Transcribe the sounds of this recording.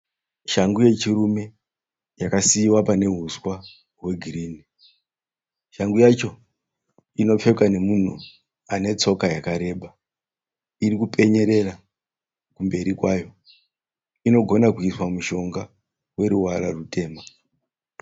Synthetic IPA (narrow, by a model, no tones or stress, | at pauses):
ʃaŋɡuje̞t͡ʃirume̞ | jakasiwapane̞ɦuswa | ɦwe̞ɡʱiriːni | ʃaŋɡujat͡ʃo̞ | ino̞p͡fe̞kane̞mun̤ṵ | ane̞t͡so̞kajakaɾe̞ɓa | iɾikupe̞ɲe̞ɾe̞ra | kumbe̞ɾikwajo̞ | ino̞ɡʱo̞nakuiswamuʃo̞ŋɡa | we̞ɾuwaɾarute̞ːma